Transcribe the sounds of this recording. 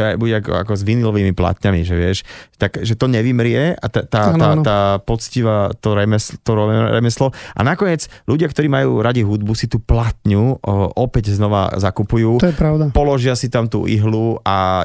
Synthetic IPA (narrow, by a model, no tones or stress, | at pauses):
abuɟɛaka̰kɔzʋinilɔʋiːmipla̰t̪ɲamiʒɛʋɪɛʃt̪akʒɛt̪ɔɲɛʋimɾɪɛat̪ɛt̪aːat̪aːt̪aːpɔt͡sciʋat̪ɔɾɛmɛst̪ɔɾɛɾɛ̰mɛslɔʔa̰nakɔɲɪɛt͡sluɟɪakt̪ɔɾiːmajṵːɾaɟiɦud̪̚busit̪uːplat̪ɲuʔɔpɛɟznɔʋa̰zakupujuːɔjɛpɾaʊd̪apɔlɔʒɪasit̪amt̪ṵːʔḭɦlua